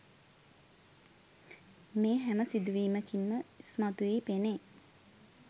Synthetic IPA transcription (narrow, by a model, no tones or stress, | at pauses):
meːɦæməsid̪uʋiːməkinməismat̪uʋiːpene